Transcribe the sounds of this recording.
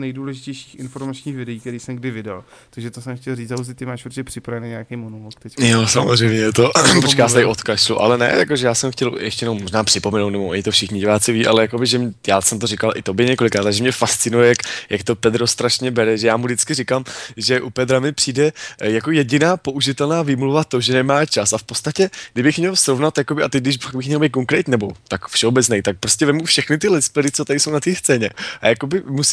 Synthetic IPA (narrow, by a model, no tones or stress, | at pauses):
nɛjduːlɛʒɪcɛjʃi̥ːxɪnfoɾmat͡ʃɲiːxvɪdɛiːkt̪ɛɾiːsɛmɡ̚dɪvɪdal | t̪aɡʒɛt̪osɛmxcɛlriːt͡saus̬ɪt̪ɪmaːʃpuɾcɛpr̥ɪpɾavɛnejɲeakejmonulokt̪ɛcjosamozrejmɲɛjɛt̪opot͡ʃkajaːst̪aɪʔot̪kaʃluʔa̰lɛnɛ̰ja̰ko̞ʒɛjaːsɛmxcɛljɛ̰ʃt̪ɛjɛnowmːoʒnaːpr̥ɪpomɛnowt̪nɛboʔoɲɪt̪ofʃɪxɲɪɟɪvaːt͡sɪviːʔalɛjakobɪʒɛmjaːsɛmt̪orɪkalʔɪt̪o̞bjɪɲɛko̞lɪkɾaːt̪ːaʒɛmɲɛfast͡sɪnujɛjakjakt̪o̞pɛd̪ɾost̪ɾaʃɲɛbɛɾɛʒɛjaːmudɪt͡skɪrɪkamʒɛʔupɛd̪ɾamɪpr̥iːdɛjako̞jɛɟɪnaːpo̞ʔuʒɪt̪ɛlnaːvimluvat̪o̞ʒɛnɛmaːt͡ʃasafpot͡st̪acɛɡdɪbɪxmɲɛlsɾovnat̪jakobɪʔat̪ɛɡdɪʃfaɡ̚bɪxmɲɛlbejt̪̚k̬oŋkɾɛt̪ɲiːnɛbo̞t̪akfʃɛobɛt͡snɛjt̪ak̚pɾo̞scɛvɛmufʃɛxnɪt̪ɪlɪspɛɾɪt͡sot̪aɾɪsownat̪iːst͡sɛːɲɛʔa̰jako̞bɪmus